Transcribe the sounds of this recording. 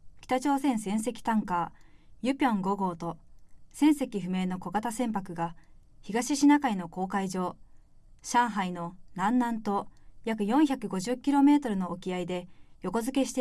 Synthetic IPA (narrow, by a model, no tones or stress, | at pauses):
kʲi̥t̪at͡ɕo̞ːsẽ̞ɰ̃sẽ̞ɰ̃se̞kʲi̥t̪ãŋkaːjɯ̟pʲõ̞ŋɡo̞ɡo̞ːt̪o̞sẽ̞ɰ̃se̞kʲiɸɯ̟me̞ːno̞ko̞ɡat̪asẽ̞mpakɯ̟ɡa | çiɡaɕiɕinakaino̞ko̞ːkaiʑo̞ː | ɕãɰ̃ɦaino̞nãnːãnt̪o̞jakɯ̟jõ̞ɰ̃çʲakɯ̟ɡo̞ʑɨkʲiɾo̞me̞ːt̪o̞ɾɯ̟no̞ːkʲiaid̪e̞jo̞ko̞zɨke̞ɕi̥t̪e